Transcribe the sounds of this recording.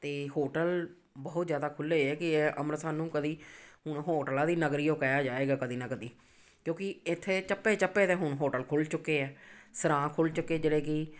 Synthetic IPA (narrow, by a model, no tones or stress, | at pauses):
t̪eːɦoːʈəl | bɔːʊt̪zjaːd̪aːkʰʊlːeːɛːkɪeːʔəmɾsaːnũːkəd̪iːɦʊɳɦoːʈəlaːd̪iːnəɡɾiːõːkɛːjaːd͡ʒaːeːɡaːkəd̪iːnãːkəd̪iː | kjõːkɪɪt̪ʰːeːt͡ʃəpːeːt͡ʃəpːeːt̪eːɦʊɳɦoːʈəlkʰʊlt͡ʃʊkːeːɛːsəɾãːkʰʊlt͡ʃʊkːeːd͡ʒeːɽeːkɪ